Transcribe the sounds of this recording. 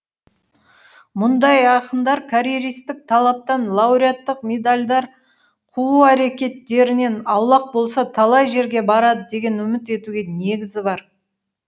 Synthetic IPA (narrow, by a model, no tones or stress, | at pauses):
mʊnd̪ɑjɑqəmd̪ɑɾkʰaɾeɾijst̪ɪk̚t̪ʰɑlˠɑp̚t̪ɑnlˠawɾijat̪ːəq̚mʲe̞d̪alʲd̪ɑɾ | qʰuuæɾe̞kʲe̞t̪ːe̞ɾɪne̞nɑwlˠɑq̚bo̞lˠsɑt̪ʰɑlˠɑjʒe̞ɾɡʲe̞bɑɾɑd̪əd̪e̞ɡʲe̞nʏmɪt̪e̞t̪uɡʲe̞ne̞ɡʲɪzɪbɑɾ